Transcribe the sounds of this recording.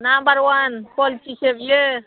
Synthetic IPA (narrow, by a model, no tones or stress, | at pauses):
nambəɾwanpolt͡ʃisebje